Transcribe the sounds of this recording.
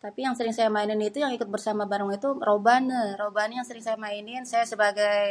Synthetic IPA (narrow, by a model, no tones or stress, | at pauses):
t̪apijaŋsəɾɪŋsajamainɪnit̪ujaŋikʊt̪̚bərsamabaɾʊŋit̪urobanəɾobanjaŋsəɾɪŋsajamainɪnsajasəbaɡaj